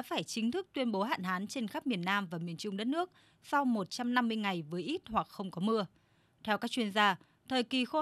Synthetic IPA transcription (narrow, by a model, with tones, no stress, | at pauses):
aː˧˥faː˧˩jt͡ɕï˨˦ŋt̪ʰɨ˦˥k̚t̪wi˧ənɓo˨˦ɦa̰ː˧˨nɦaː˨˦nt͡ɕe˧nxa˦˥p̚mi˨˩ənːaː˧mvaː˨˩mi˨˩ənt͡ɕʊ˧ŋ͡mɗə˦˥t̚nɨ˦˥ək̚ | sa˧wmo˨˩t̚t͡ɕa˧mna˧mːɨ˧əjŋa˨˩jvəː˨˦jʔi˦˥t̚hwa˨˩k̚xə˧wŋ͡mkɔ˨˦mɨ˧ə | t̪ʰɛ˧wkaː˦˥k̚t͡ɕwi˧ənzaː˧ | t̪ʰəː˨˩jki˨˩xo˧